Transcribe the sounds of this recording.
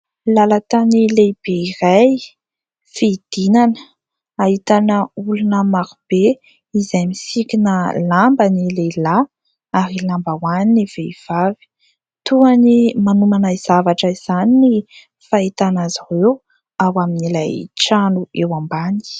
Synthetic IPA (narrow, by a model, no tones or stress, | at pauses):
lalat̪anilejb̥eiraj | fid̪̥inanə | aɦit̪anəulunəmaɾb̥e | izajmisikinəlambənilela | aɾilambawaniniv̥eiv̥avi̥ | t̪uanimanumanaiz̥avaʈ͡ʂəiz̥anini | fait̪anaziwew | awaminila̰jʈ͡ʂanuewambani̥